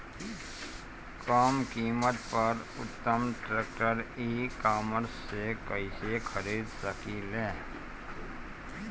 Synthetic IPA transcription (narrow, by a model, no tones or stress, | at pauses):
kaːmkiːmət̪pɐɾʊt̪ːəmʈɾeːk̚ʈəɾiːkaːməɾsːekəisekʰəɾiːd̪səkilɛ̃ː